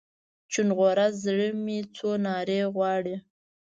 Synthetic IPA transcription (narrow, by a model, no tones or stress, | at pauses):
t͡ʃunɣoɾazɽəmit͡sonɑɾeɣwɑɽi